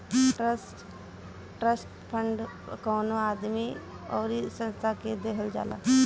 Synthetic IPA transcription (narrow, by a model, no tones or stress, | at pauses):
ʈɾəsʈ | ʈɾəsʈ | pʰə̃ɳɖ | kɔːnoaːd̪mi | ɔːɾisə̃nst̪ʰaked̪eːkʰəld͡ʒa̰ːla̰ː